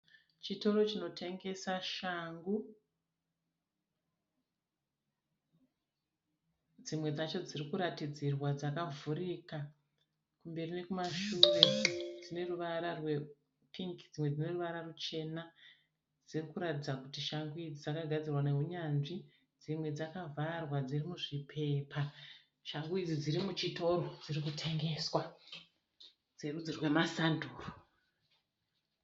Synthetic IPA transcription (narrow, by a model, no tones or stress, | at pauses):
t͡ʃito̞ɾo̞t͡ʃino̞tʰe̞ŋɡe̞saʃaŋɡu | d͡zimwe̞d͡zat͡ʃo̞d͡zirikuɾatid͡zirwad͡zakavuɾiːka | kumbe̞rine̞kumaʃure̞d͡zine̞ruʋaɾarwe̞ | pʰiŋkid͡zimwe̞d͡zine̞ruʋaɾarut͡ʃe̞na | d͡zirikuɾatid͡zakutiʃaŋɡuid͡zid͡zakaɡʱad͡zirwane̞ɦuɲanʐi | d͡zimwe̞d͡zakavʱarwad͡zirimuʐipʰe̞ːpʰa | ʃaŋɡuid͡zid͡ziɾimut͡ʃito̞ɾod͡zirikutʰe̞ŋɡe̞swa | d͡zerud͡zirwe̞masanduːro